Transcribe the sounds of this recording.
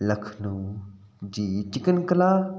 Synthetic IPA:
ləkʰnũ | d͡ʒiːt͡ʃɪkənkəlaː

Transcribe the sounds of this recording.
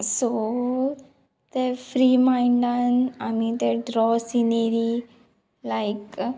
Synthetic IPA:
so | t̪efɾimãɪɳɖãnamĩt̪eɖɾɔsineɾi | laɪk

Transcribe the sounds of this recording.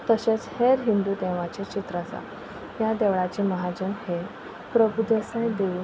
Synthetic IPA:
t̪əɕet͡sheɾɦind̪uːd̪ɛʋat͡ɕet͡ɕit̪ɾat͡sa̰ | jad̪ɛʋɭat͡ɕiməɦad͡ʑənhe | pɾəbud̪esãjd̪euː

